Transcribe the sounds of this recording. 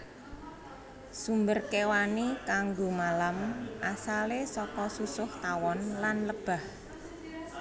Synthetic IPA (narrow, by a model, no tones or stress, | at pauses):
sumbərkewanikaŋɡomalamʔasalesɔkɔsusʊht̪awɔnlanləb̥a̤h